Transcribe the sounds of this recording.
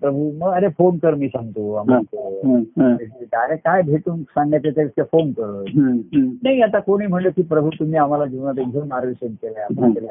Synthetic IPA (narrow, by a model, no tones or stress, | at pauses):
pɾəbʱuməɡəɾefonkəɾmiːsãŋɡt̪oamat̪o | eʈk̪aəɾekajbʱeʈuːnsãŋɡjat̪at̪eskefonkəɾə | naɦiat̪akoɽ̃iːm̤əɳləkiːpɾəbʱut̪um̤iːam̤alad͡ʑiʋnat̪eɡd͡zʱemaɾʋiɕenkelaamakela